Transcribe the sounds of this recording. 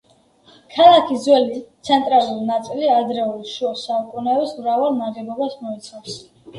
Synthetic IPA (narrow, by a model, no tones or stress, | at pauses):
kʰalˠakʰizwɛlit̪sʰɛnt̪ʼɾalˠuɾinat̪sʼiliad̪ɾɛulˠʃuɔsaukʼunɛɛsmɾavalˠmaʁɛbɔbasmɔit̪sʰafs